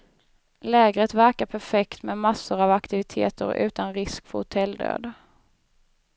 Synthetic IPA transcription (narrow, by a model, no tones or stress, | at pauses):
lɛːɡɾət̪væɾkapʰæɾfɛkt̪mɛːmasːʊɾavakt̪ɪvɪt̪ʰḛːt̪ə̰ɾʉ̟̰ːt̪anɾɪskfɔhʊt̪ʰɛld̪ø̰ːd̪